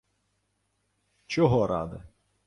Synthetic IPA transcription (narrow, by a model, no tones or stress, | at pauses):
t͡ʃɔɦɔɾɑ̰d̪ɪ